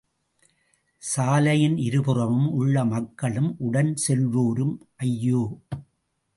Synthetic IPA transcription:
saːlɐjɪnɪɾɯpɯrɐʋɯmʊɭːɐmɐkːɐɭɯmʔʊɽɐnsɛlʋoːɾɯmʔɐjːoː

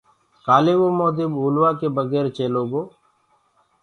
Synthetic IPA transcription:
kaːleːʋoːmoːd̪ɪbɦuːlʋaːkeːbəɡɛːɾt͡ʃeːloːɡoː

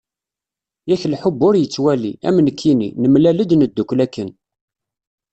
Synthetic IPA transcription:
jæçlħʊbːʊɾjət͡sːwæliæ̰mənəkʰːinḭnəmlæləd̪nəd̪ːukʷlækːən

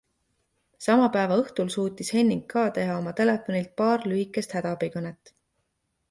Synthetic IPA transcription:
sɑmɑpæːvɑɤht̪ulsuːt̪ːishe̞nːiŋɡkːɑːt̪e̞ɦɑo̞mɑt̪e̞lefˑo̞nilt̪̚pɑːrlyɦikːˑe̞st̪hæd̪̥ɑpikɤnet̪ːˑ

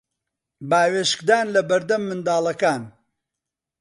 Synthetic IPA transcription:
baːweːʃkd̪aːnlɐbɐɾd̪ɐmːɨnd̪aːlˠɐkaːn

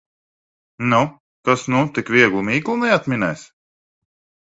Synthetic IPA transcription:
nu | t̪asnut̪ikvʲiɛɡlˠumiːɡlˠumɛjat̪mʲinɛjs

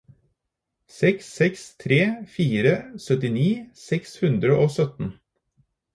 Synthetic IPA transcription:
sɛksːɛkst̪ʰɾeːfiːɾəsœt̪ɪniːsɛkshʉnd̪ɾəʔoːsœt̪n̩

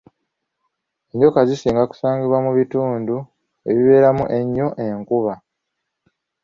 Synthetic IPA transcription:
e̞ɲɟo̞kazisiːŋɡaku̥saːŋɡiβwamuβituːndu | e̞βiβe̞ːɾamṵʔe̞ɲːo̞ʔe̞ŋkuβa

